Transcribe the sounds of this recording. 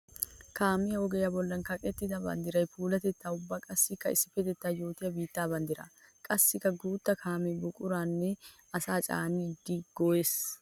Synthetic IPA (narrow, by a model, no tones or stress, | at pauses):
kaːmɪjɐɔɡɛjɐbɔlːɐnkɐkʼɛt̪ːɪd̪ɐbɐ̰nd̪ɪɾɐjpuːlɐt̪ɛt̪ːaːʊbːaːkʼɐsːɪkːɐɪsːɪ̥fɛt̪ɛt̪ːaːjo̞ːt̪ɪjɐbiːt̪ːaːbɐnd̪ɪɾɐ̰kʼɐsːɪkːɐɡuːt̪ːɐkʰaːmɛbʊkʼʊɾaːnːɛ | ɐsaːt͡ʃʼa̰ːnid̪ːɪɡ̥ɔes